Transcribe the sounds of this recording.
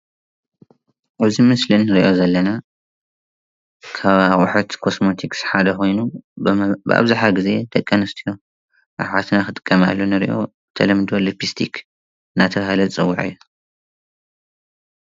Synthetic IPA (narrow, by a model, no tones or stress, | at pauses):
ʔaβzimɨslɨnːɨɾʔo̞zɐlːɐna | kʰaβaxʼħut̪kʰosmot̪ʰiksħad̪ɐxo̞jnu | bɨʔa̰βzaħaɡized̪̥ɐkʼːɐnɐst̪ʰijo̞ | ʔa̰ʕat̪naxɨt̪ʼɨ̥kʼːɐma̰lːunɨɾḭʔo̞̰ | ɨt̪ʰɐlɐmd̪olipist̪ʰikʰ | ɨnːat̪ʰɐβahɨlɐzɨt͡sʼɨwːʊʕɨ̰jːu